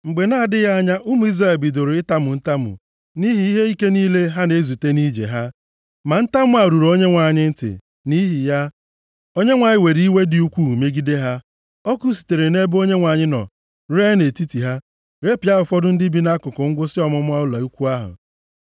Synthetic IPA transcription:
ŋ͡m̩˨ɡ͡be˨na˦˨dɪ˦ɣa˦a˦ɲa˦ʔʊ˦mʊ˨˦i˦zɾa˦e˨lbi˨do˨ɾo˨ɪ˦ta˦mʊ˨n̩˦ta˦mʊ̰˨ | ni˦ɦi˦i˦ɦe˦i˦ke˦niː˦le˦ɦa˦ne˨˦zu˨te˦ni˦d͡ʒḛ˨ɦa˦ | ma˨n̩˦ta˦mʊ˦a˨ɾu˨ɾo˦ɲe˦ŋʷa˨ɲɪ˦n̩˦tɪ̰˨ | ni˦ɦi˨ja˦ | o˦ɲe˦ŋʷa˨ɲɪ˦we˨ɾii˦we˦dɪ˨u˦kʷu˦˨u˨me˦ɡi˦de˦ɦa˦ | ɔ˦ku˦si̥˨te˨ɾe˨ne˦bo˦ɲe˦ŋʷa˨ɲɪ˦nɔ̰˨ | ɾe˦ne˨ti˦ti˨ɦa˦ | ɾe˦pi˨˦a˦ɦʊ˨fɔ˦dʊ˦n̩˦dɪ˦bi˦na˦kʊ˨kʊ˨ŋ̩˦ɡʷʊ˦sɪ˦ɔ˨mɔ˦mʊ˦a˦ʊ˦la˨u˦kʷu˦a˦ɦʊ̰˨

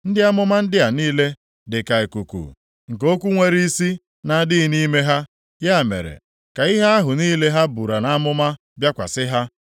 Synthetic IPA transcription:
n̩˦dɪ˦a˦mʊ˦ma˦n̩˦dɪ˦a˨niː˦le˦ | dɪ˨ka˨e˨ku˨kṵ˨ | ŋ̩˨ko˦kʷu˦ŋʷe˦ɾi˦i˦si˦ | na˨˦dɪ˦ɪ˦ni˦me˦ɦa˦ | ja˦˨mḛ˨ɾḛ˨ | ka˨ɪ˦ɦa˦a˦ɦʊ˨niː˦le˦ɦa˦bu˨ɾa˨na˦mʊ˦ma˦ | bja˦kʷa̰˨sɪ˦ɦa˦

